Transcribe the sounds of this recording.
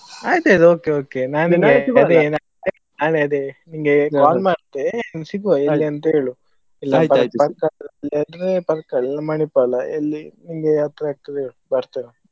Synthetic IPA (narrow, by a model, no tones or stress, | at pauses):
aːjt̪aːjt̪oːkeoːkenaːiŋɡeɐd̪enaːle | naːleɐd̪eniŋɡekaːlmaːɾt̪ːesiɡʋaelːiɐnt̪ɐeːɭu | ilːɐpɐpɐkalːɐd̪ɾepɐɾkːɐɛlːɐmɐɳipːalɐḛlːiniŋɡeɐt̪ɾɐaːɡ̚t̪ɐd̪eeːɭubɐɾt̪iɾɐ